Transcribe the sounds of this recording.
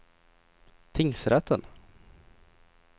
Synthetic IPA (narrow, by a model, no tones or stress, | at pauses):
t̪ʰɪŋsɾɛt̪ːən